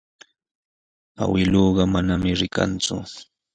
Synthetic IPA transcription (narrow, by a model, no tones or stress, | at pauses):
a̰wɪloːɢɑmanamɪɾɪka̰nt͡sʊ̰